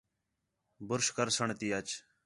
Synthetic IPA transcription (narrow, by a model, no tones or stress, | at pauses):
bʊɾʃkəɾsəɳt̪ijat͡ʃ